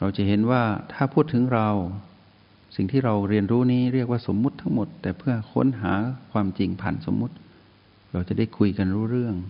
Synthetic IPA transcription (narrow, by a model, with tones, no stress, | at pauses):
ɾa˧wt͡ɕa˨˩ɦe˩˦nwaː˥˩t̪ʰaː˥˩pʰuː˥˩t̪ʰːɯ˩˦ŋɾa˧w | si˨˩ŋt̪ʰiː˥˩ɾa˧wɾi˧ənɾuː˦˥niː˦˥ɾi˥˩ək̚waː˥˩so˨˩˦mːu˦˥t̪ʰːa˦˥ŋmo˨˩t̪ːɛː˨˩pʰɯ˥˩ɐkʰo̰˦˥˨nɦa̰ː˩˦kʰwaː˧mt͡ɕi˧ŋpʰa˨˩nso˩˦mːu˦˥t̪̚ | ɾa˧wt͡ɕa˨˩daː˥˩jkʰu˧jka˧nɾuː˦˥ɾɯ˥˩əŋ